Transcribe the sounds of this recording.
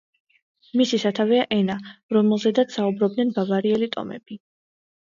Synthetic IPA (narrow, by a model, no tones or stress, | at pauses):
misisat̪ʰavɛaʔɛnaɾɔmɛlˠzɛd̪at̪ssaubɾɔb̚d̪nɛnbavaɾiɛlit̪ʼɔ̰mɛ̰b̥i